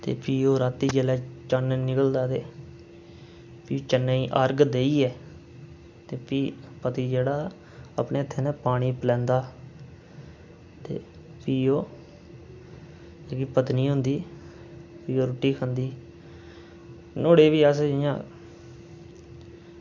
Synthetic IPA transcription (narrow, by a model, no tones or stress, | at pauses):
t̪ḛːpiːoːɾaːt̪ːiːd͡ʒeːlɛːt͡ʃanːnɪkəld̪aːt̪eː | piːoːt͡ʃənːaiːʔaːɾɡd̪eːiːɛː | t̪eːpiːpət̪iːd͡ʒeːɽaː | apneːət̪ʰːeːnɛːpaːɽ̃iːpəlɛ̃ːnd̪aː | t̪ḛː | piːoː | eːkiːpət̪niːɦʊ̃nd̪iː | piːoːɾʊʈːiːkʰənd̪iː | noːɽeːʋiːaːseɪjãː